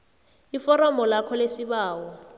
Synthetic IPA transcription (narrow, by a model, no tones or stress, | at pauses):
ifɔɾɔmbɔlakʰɔlesiɓaːwɔ